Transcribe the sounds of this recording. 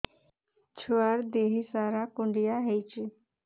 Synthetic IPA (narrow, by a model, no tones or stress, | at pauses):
t͡ɕʰʋaɾd̪eɦisaɾakuɳɖijaɦejt͡ʃi